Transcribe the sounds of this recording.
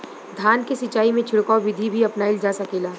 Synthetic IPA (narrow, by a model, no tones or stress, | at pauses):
d̪ʱaːnkesɪt͡ʃaːimẽt͡ʃʰɪɽkaoʋɪd̪ʱibʱiɐpnaɪld͡ʒaːsakeːlaː